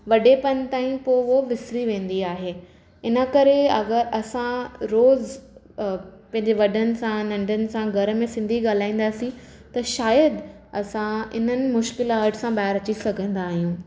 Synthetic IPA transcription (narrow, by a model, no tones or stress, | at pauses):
ʋɐɖepɐnt̪aːĩpoɪʋoʋɪsɾiʋẽːn̆d̪iaːɦeː | ɪnə̆kɐɾeɐɡəɾɐsãɾoːz | pɐ̃ɦɪ̃ɲ̆d͡ʑeʋɐɖʱənɪ̆sãnɐ̃ɳɖʱənɪ̆sãɡʱɐɾə̆mẽsɪ̃nd̪ʱiɠaːl̤aːĩːn̆d̪aːsĩ | t̪ɐʃaːjəd̪ | ɐsãɪ̰n̤ənɪ̆mʊʃkɪlaːʈsãbaːɪɾɐt͡ɕisɐɡʱə̃nd̪aːɦijũː